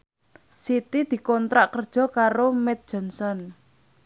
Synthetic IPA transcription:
sit̪id̪̥i̤kɔnt̪ɾaʔkərd̥ʒ̥ɔ̤kaɾomɛt̪̚d̥ʒ̥ɔ̤nsɔn

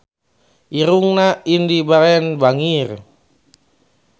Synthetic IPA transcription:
ʔiɾuŋnaindibaɾɛnbaŋir

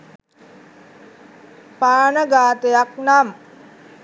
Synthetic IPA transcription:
paːnəɡaːt̪ejaknam

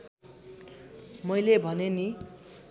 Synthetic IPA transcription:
mʌjlebʱʌneni

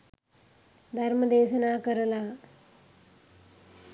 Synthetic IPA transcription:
d̪ʱɐɾməd̪eːsɐnaːkəɾəlaː

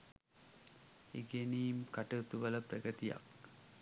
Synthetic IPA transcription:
ḛɡeniːmkaʈəut̪uʋələprɐɡət̪ija̰k

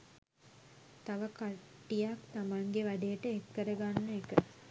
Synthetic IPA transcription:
t̪aʋəkaʈʈːijakt̪amaŋɡeʋad̪ejəʈəekːəɾəɡanːəekə

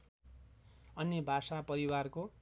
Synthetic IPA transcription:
ʌnjʌbʱasapʌɾiwarko

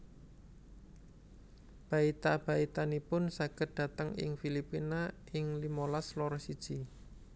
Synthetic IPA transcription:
b̥a̤it̪ab̥a̤it̪anipʊnsaɡ̥ət̪̚d̥a̤t̪əŋɪ̰ŋfilipina | ɪŋlimolaslɔrsid̥ʒ̥i

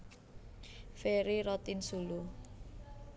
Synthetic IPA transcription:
feɾiɾɔt̪insulu

